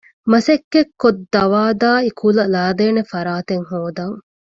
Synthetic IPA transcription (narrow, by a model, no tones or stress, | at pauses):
mɐsekːekːod̪ːɐʋaːd̪aːikʰulɐlaːd̪eːnefɐɾaːt̪eŋɦoːd̪ɐŋ